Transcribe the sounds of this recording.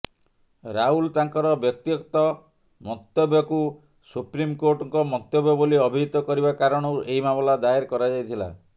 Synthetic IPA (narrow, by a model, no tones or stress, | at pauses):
ɾaɦult̪aŋkɔɾɔbjɔk̚t̪iɔkt̪ɔ | mɔt̪ɔbjɔku | supɾimkoɾʈɔŋkɔmɔt̪ːjɔbjɔboliɔbʱiɦit̪ɔkɔɾibakaɾɔɽ̃ɔwʔeimamɔlad̪aeɾkɔɾad͡ʒajt̪ʰila̰